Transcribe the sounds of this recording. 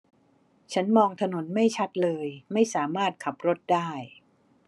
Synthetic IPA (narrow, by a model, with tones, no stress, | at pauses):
t͡ɕʰa˦˥nmɔː˧ŋt̪ʰa˧no˩˦nma˥˩jt͡ɕʰa˦˥t̪̚lɤː˧jma˥˩jsaː˩˦maː˥˩t̪̚kʰa˨˩p̚ɾo˦˥t̪̚daː˥˩j